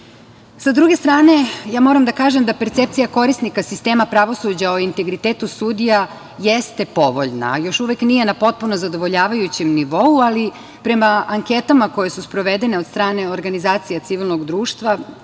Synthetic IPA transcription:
sad̪ɾuɡe̞st̪ɾaːne̞jaːmo̞ɾamd̪akaːʒemd̪ape̞ɾt̪sep̚t̪sijako̞ɾisnikasist̪eːmapɾaʋo̞sud͡ʑaoint̪e̞ɡɾit̪eːt̪usud̪ija | jest̪e̞po̞ʋo̞̰ʎna̰jo̞ʃuʋeknije̞napo̞t̪̚puno̞zad̪o̞ʋo̞ʎaːʋajut͡ɕemniʋo̞uali | pɾe̞maʔaŋket̪amako̞je̞suspɾo̞ʋed̪e̞ne̞o̞d̪st̪ɾaːne̞oɾɡanizaːt̪sijat̪siʋilˠno̞ɡd̪ɾuːʃt̪ʋa

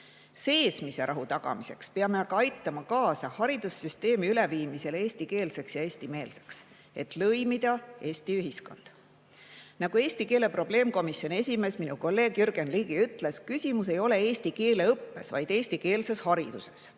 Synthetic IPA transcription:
se̞ːsmise̞ɾɑɦut̪ɑɡ̥ɑ̰mise̞kspeɑmeɑɡ̥ɑɑjt̪ːˑɑmɑkɑːsɑhɑɾid̪̥usyst̪e̞ːmiyle̞viːmise̞leːsʲt̪ike̞ːlse̞ksjɑe̞ːsʲt̪ime̞ːlse̞̥ks | e̞t̪ˑlɤjmid̪̥ɑe̞ːsʲt̪iyɦisko̞̰nd̪̥ | nɑɡ̥ue̞ːsʲt̪ike̞ːle̞pro̞b̥le̞ːmko̞misjo̞ne̞sʲime̞sminuko̞lːe̞ːɡ̥yɾɡ̥enliːɡ̥iyt̪ˑle̞skysʲimuse̞jo̞le̞e̞ːst̪ike̞ːle̞ɤpːe̞svɑjd̪̥e̞ːsʲt̪ike̞ːlse̞shɑɾid̪use̞s

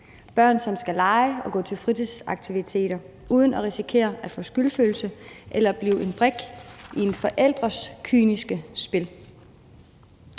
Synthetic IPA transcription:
b̥ɶɐ̰nsɒ̽msɡ̥ælɑ̈ɪɒ̽ɡ̥ɔ̰̽ːt͡sʰe̝lfʁit͡sʰisɑ̈ɡ̥̚t͡sʰiʋit͡sʰe̝̰ːɾ̥ɐ | ʔuːð̞ˠənɒʁisikʰe̝̰ːɐʔæd̥fɔ̰̽ːsɡ̥ylføːl̩səʔelɐb̥liːʊʔe̝nb̥ʁɛɡ̥ʔied̥fɒ̽ʔel̰d̥ʁɐskʰyːnisɡ̥əsb̥e̝l

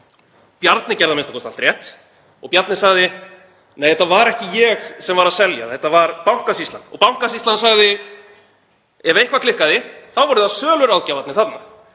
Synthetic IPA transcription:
pjaɾt̪nɪcɛɾðamɪnst̪ḁkʰɔst̪alt̪ɾjɛht̪ | ɔɣpjaɾt̪nɪ̥saɣðɪ | neːjθɛt̪ːavaɾɛhcɪjɛxsɛmvaɾaðsɛlja̰θɛt̪ːavaɾpawŋ̥kasist̪a̰nɔ̰pawŋ̥kasist̪lansaɣðɪ | ɛvejhkʰvakʰlɪhkaðɪθawvɔɾʏðθaðsœːlʏɾawðcavat̪nɪθat̪na

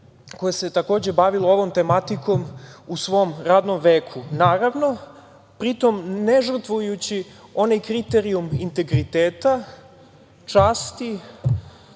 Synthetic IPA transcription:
ko̞jese̞t̪ako̞ːd͡ʑe̞baʋiloo̞ʋo̞mt̪e̞mat̪iko̞musʋo̞mɾaːd̪no̞mʋeːkʰunaːɾaʋno̞ | pɾit̪o̞mneʐr̩t̪ʋujut͡ɕi | o̞najkɾit̪eɾiumint̪e̞ɡɾit̪eːt̪a | t͡ʂaːst̪i

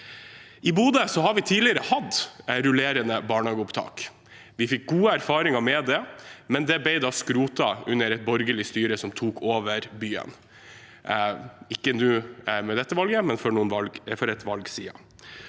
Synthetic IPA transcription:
ʔɪbuːd̪əsɔhɑɾʋɪt̪ʰiːlɪəɾəhɑd̪ɾʊleːɾənəbɑːɳɑːɡəʊpt̪ʰɑ̰ːk | ʋɪfɪk̚ɡuːəæɾfɑːɾɪŋɑmɛd̪ɛmɛnd̪ɛbɛɪd̪ɑskɾuːt̪ɑʉnːəɾɛt̪̚bɔɾɡəlɪst̪yːɾəsɔmt̪ʰuːkʰoːʋəɾbyːə̰n | ɪkːənʉːmɛd̪ɛt̪ːəʋɑlɡəmɛnfɔɾɳuːənʋɑlfɔɾɛt̪ʋɑlɡsiːɑ̰

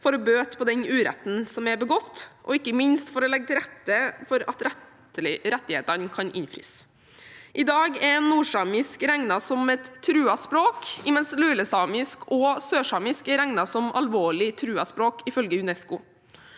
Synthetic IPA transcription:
fɔɾɔbøːt̪pʰɔd̪ɛnʉːɾɛ̰t̪n̩sɔmæɾbəɡɔt̪ːʔɔɪkːəmɪnst̪fɔɾɔlɛɡ̚t̪ʰɪɾɛt̪ːəfɔɾɑ̰t̪ɾ | ɾɛt̪ːɪheːt̪ənkʰɑnʔɪ̰nfɾɪ̰s | ʔɪd̪ɑːɡɛɾnuːʂɑmɪskɾæŋnɑsɔmɛt̪ʰːɾʉːɑspɾoːkɪmɛnslʉːləsɑːmɪskʰɔsøːʂɑmɪskɛɾæŋnɑsɔmɑ̰lʋoːɭɪt̪ʰɾʉːɑspɾoːkɪfœlɡəʉnɛskʊ

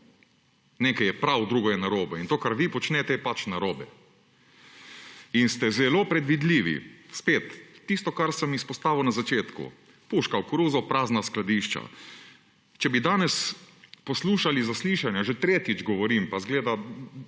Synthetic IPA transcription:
neːkajɛpɾawd̪ɾuːɡɔjɛnaɾoːbɛint̪oːkaɾʋipɔt͡ʃnɛt̪ɛjɛpat͡ʃnaɾoːbɛ | inst̪ɛzɛloːpɾɛd̪ʋid̪liːʋḭspeːt̪ːist̪ɔkaɾsəmispɔst̪aːʋɐwnazat͡ʃeːt̪kṵ | puʃkawkɾuːzɔpɾaːznasklad̪iːʃt͡ʃa̰ | t͡ʃɛbid̪aːnɛspɔsluːʃalizasliʃanjaʒet̪ɾeːt̪id͡ʒɡɔʋɔɾimpazɡleːd̪a

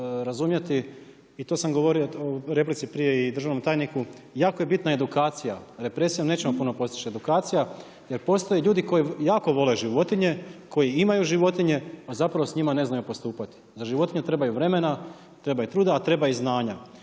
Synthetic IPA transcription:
ɾazumjet̪iː | t̪o̞samɡo̞ʋo̞ɾiooɾe̞p̬lit̪sipɾije̞id̪ɾr̩ʒaʋnomt̪aːjniku | jaːko̞jebit̪nae̞d̪ukaːt̪sijaɾe̞pɾe̞sijamnet͡ɕe̞mopuno̞po̞st̪i̥t͡ʃie̞d̪ukaːt̪sija | je̞ɾpo̞st̪o̞jeʎuːd̪iko̞jejaːko̞ʋo̞le̞ʒiʋo̞t̪iɲe̞kʰo̞jiimajuʒiʋo̞t̪iɲe̞azapɾaʋo̞sɲimane̞znajupo̞st̪uːpat̪i̥zaʒiʋo̞t̪iɲet̪ɾe̞bajuʋɾe̞me̞na | t̪ɾe̞bait̪ɾuːd̪aːt̪ɾe̞baiznaːɲa

